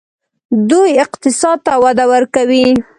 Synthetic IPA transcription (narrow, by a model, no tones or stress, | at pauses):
d̪ujɪqt̪ɪsɑd̪̚t̪awad̪awəɾkawi